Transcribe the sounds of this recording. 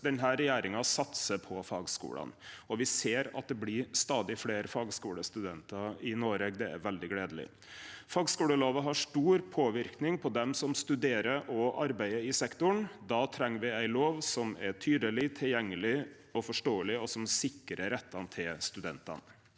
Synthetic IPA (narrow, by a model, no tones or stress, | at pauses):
d̪ɛnɦæːɾɛjæːɾɪŋɑsɑt̪səpʰɔfɑːɡskṵːlɑ̰nɔʋɪseːɾɑ̰t̪̚d̪ɛblɪst̪ɑːd̪ɪfleːɾfɑːɡskuːləst̪ʉd̪ɛnt̪ɑɾɪnoːɾeːɡd̪ɛæ̰ɾʋɛld̪ɪɡleːd̪əlɪ̰ | fɑːɡskuːləloːʋəɦɑʂʈuːɾpʰoːʋɪɾknɪŋpʰɔd̪ɛmsɔmst̪ʉd̪eːɾəɾʔɔʔɑɾbæɪəɪsɛkt̪ʊɳd̪ɑːt̪ʰɾɛŋːəɾʋɪæɪloːʋsɔmɛʈʰyːd̪əlɪt̪ʰɪljɛŋːəlɪ | ɔfɔʂʈoːəlɪɔsɔmsɪkːɾəɾɛt̪ʰːɑnt̪ʰɪlst̪ʉd̪ɛ̰nt̪ɑ̰n